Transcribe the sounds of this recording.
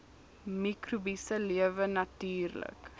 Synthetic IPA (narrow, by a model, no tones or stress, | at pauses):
mikrubisəliəvənɐtyːrlə̰k